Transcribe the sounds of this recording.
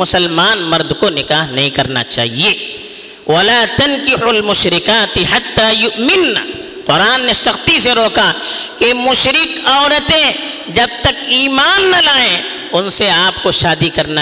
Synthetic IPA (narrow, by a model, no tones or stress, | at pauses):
ʊsɐlmaːnmɐɾd̪konɪkaːɦnɐɦĩkɐɾna̰t͡ʃa̰ːɦieː | wɐlaːt̪ɐnkɪħʊlmʊʃɾɪkaːt̪ɪħat̪ːaːjʊʔmɪnːa̰ | qʊɾaːnːesɐxt̪iseɾoːkʰakemʊʃɾɪkɔːɾət̪ẽ | d͡ʒɐb̚t̪ɐkiːmaːnːɐlaːẽ | ʊnseaːpkoʃaːd̪ikɐɾna